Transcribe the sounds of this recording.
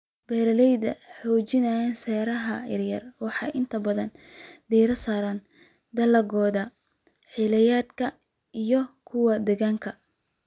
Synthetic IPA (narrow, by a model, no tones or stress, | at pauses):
b̥ɛːɾɐlɛjðɐ̰ħɔːt͡ʃɪnɐɛnsɛːɾɐɦɐjɐɾjɐrwɑħɑjʔɪnt̪ʰɐbɐðɐnd̪ɛːɾɐsaːɾɐn | d̪ɐlɐɣɔːðɐ | ħilɐjaːd̪kʰɐ | ijɔkʰʊwɐd̪ɛɣaːŋkʰɐ